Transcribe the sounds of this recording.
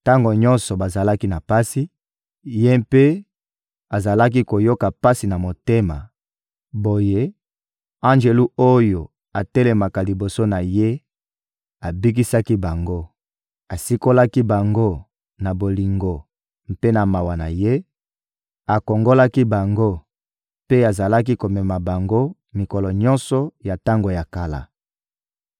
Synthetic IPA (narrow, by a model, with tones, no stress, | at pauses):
ta˦ŋɡo˨ɲɔ̃˦nsɔ˨ba˨za˨la˦ki˦na˨pa˦si˦ | je˦mpe˦ | a˨za˨la˦k̬i˦ko˨jo˦ka˨pa˦si˨na˨mo˨te˦ma̰˨ | bo˨je˦ | ã˦nʒe˨lu˦o˦jo˨ | a˨te˦le˨ma˨ka˨li˨bo˨so˦na˨je˦ | a˨bi˦k̬i˦sa˦ki˦ba˨ŋɡo˦ | a˨si˦ko˦la˦ki˦ba˨ŋɡo˦ | na˨bo˨li˨ŋɡo˨ | m˨pe˦na˨ma˨wa˨na˨je˦ | a˨ko˨ŋɡo˦la˦ki˦ba˨ŋɡo˦ | pe˦a˨za˨la˦k̬i˦ko˨mɛ˨ma˨ba˨ŋɡo˦ | mi˨ko˨lɔ˨ɲɔ̃˦nsɔ˨ja˨ta˦ŋɡo˨ja˨ka˨la̰˨